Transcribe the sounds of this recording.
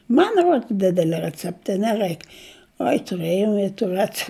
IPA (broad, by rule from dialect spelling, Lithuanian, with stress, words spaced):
ˈmɐn ˈruɔts ˈdʲɪdʲɛlʲɛ rʲɛˈt͡sʲæːptɐ ɪ nʲɛˈrɐɪk ˈoːɪ tʊˈrɘjɛʊ ɪ tuː ˈrʲæːt͡sʲɛ